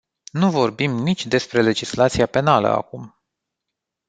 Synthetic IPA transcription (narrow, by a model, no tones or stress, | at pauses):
nuvo̞rbimnit͡ʃʲd̪e̞spɾe̞le̞d͡ʒislat̪sijape̞nalə̰a̰kum